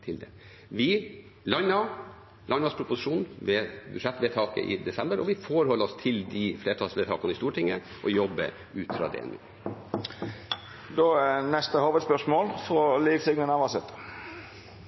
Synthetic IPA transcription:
t̪ʰɪld̪ɛ | ʋɪ | lɑnɑ | lɑnɑspʰɾʊpʊsɪʂuːnʋɛbʉ̰ʂɛt̪ːʋɛt̪ʰɑːkə̰ʔɪ̰d̪ɛsɛmbəɾɔʋɪfoːɾhɔlːəɔst̪ʰɪld̪ifleːʈʰɑːlsʋet̪ʰɑːkɑnəɪst̪uːʈʰɪŋːə | ʔɔjɔbːə̰ | ʉːt̪fɾɑ̰ːd̪ɛ̰ɛ̰nʉ̰ː | d̪oæɛnɛst̪əhoːʋəd̪spœʂmoːlfɾɔliːʋsɪɡnənɑʋɑsət̪

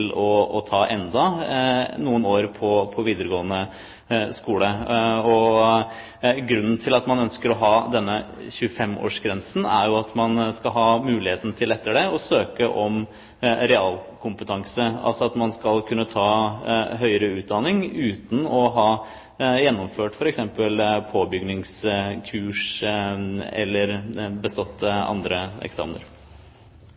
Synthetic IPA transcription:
lɔɔt̪ʰɑːʔɛnd̪ɑ | nuːənoːɾpʰɔpʰɔʋiːd̪əɾəɡoːənə | skuːləɔ | ɡɾʉnːn̩t̪ʰɪlɑt̪mɑnœnskəɾɔɦɑːd̪ɛnːəçʉəfɛmːo̰ːʂɡɾɛnsn̩æ̰ɾjʊɑt̪mɑnskɑlɦɑːmʉːlɪheːt̪nət̪ʰɪlɛt̪ːəɖɛɔsøːkəʔɔm | ɾɛɑːlkʰʊmpət̪ʰɑŋsəɑ̰lsɔɑt̪mɑnskɑlkʰʉnːət̪ʰɑːɦœʏəɾəʉːd̪ɑnɪŋʉːt̪n̩ɔɦɑː | jɛnːɔmføːʈfɔɾɛksɛmpəlpʰoːbʏɡnɪŋskʰʉːʂ | ɛ̰lːəɾbəst̪ɔt̪ʰːɑ̰nd̪ɾəɛ̰ksɑ̰ːmnə̰ɾ

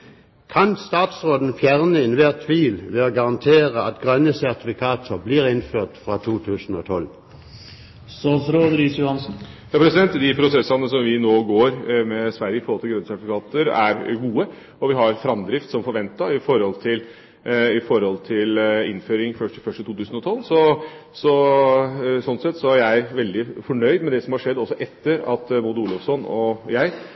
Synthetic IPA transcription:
kʰɑnst̪ɑːt̪sʁoːd̪n̩fjæʁnəɛnʋeːʁt̪ʰʋiːlʋeːoːɡɑʁɑnt̪ʰeːʁəɑt̪ɡʁœnəsæʁt̪ɪfɪkʰɑːt̪ʰəbliːʁɪnføːʁt̪fʁɑːt̪ʰuːt̪ʰʉːsn̩o̰ːt̪ʰɔl | sɑːsɾoːd̪ɾɪsjʊhɑnsn̩jɑːpʰɾɛsɪd̪ɛnt̪d̪ɪpʰɾʊsɛsɑnəsɔmʋɪnoːɡoːɾmɛsʋæɾjəɪfɔɾhɔlt̪ɪlɡɾœnsæʈ̪ɪfɪkʰɑːt̪əɾæ̰ɾɡuːə | ɔʋɪɦɑɾfɾɑmd̪ɾɪft̪sɔmfɔɾʋɛnt̪ɑɪfɔɾhɔlt̪ʰɪl | ɪfɔɾhɔlt̪ʰɪlɪ̰nføːɾɪŋfœʂʈfœʂʈət̪ʰuːt̪ʉːsən̩ɔt̪ʰɔlːsɔsɔ | sɔnsɛt̪ːsɔæɾjææɪʋɛld̪ɪfɔɳœʏd̪mɛd̪ɛsɔmhɑʂɛd̪ːɔsːɔʔɛt̪ːəɾɑt̪muːd̪əuːlɔfsɔnɔjæɪ

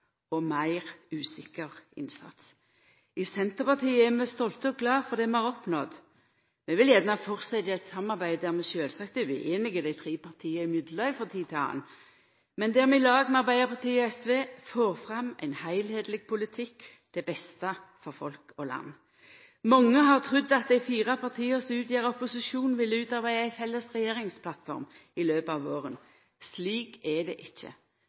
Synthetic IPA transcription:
ɔmæɪʁʉːsɪkːəʁɪ̰nsɑ̰t̪s | ɪsɛnt̪əʁpɑʁt̪ʰiːəæʁmɛst̪ɔlt̪əɔɡlɑːfɔʁd̪ɛmɛæʁɔpnɔd̪ | mɛʋɪljænəhɑfɔʁsɛt̪æt̪sɑmːɑʁbæɪd̪æʁmɛʃøːlsɑkt̪əɪʔeːnɪɡəd̪æɪt̪ʰʁiːpʰɑʁt̪ʰiːəɪmʏd̪lɑɪfɔʁt̪ʰiːt̪ʰɪɑ̰ːn | mɛnd̪æːʁmɛɪlɑːɡmɛɑʁbæɪəʁpʰɑʁt̪ʰiːɛsʋeːfoːʁfʁɑmæ̰ɪnhæɪlheːd̪lɪɡ̚pʰʊlɪt̪ʰɪkː | d̪̥ɛbɛst̪ɑfɔɾfɔlkɔlɑ̰nː | mɔŋːəɦɑʁt̪ʰʁʉd̪ːɑt̪̚d̪æɪfiːʁɑpʰɑʁt̪ʰiːəsɔʉːt̪jeːʁəɔpʊsɪʃuːnʋɪlːəʉːt̪ɑʁbæɪəæɪfɛlːəsʁɛjeːʁɪŋspʰlɑt̪fɔ̰ʁmɪløːpɑːʋoːʁən | sliːkɛd̪ɛ̰ʔɪçːə̰

